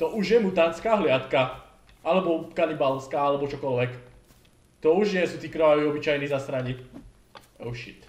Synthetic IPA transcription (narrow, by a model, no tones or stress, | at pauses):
t̪ɔʔuʒjɛmut̪aːnt͡skaːɦlɪat̪ka | ʔalɛbɔkanibalskaːalɛbɔt͡ʃɔkɔlʋɛk | t̪ɔuʒɲɪɛsuːt̪iːkɾɔʋaʋiɔbit͡ʃajnizasɾaɲik | ɛʊʃḭt̪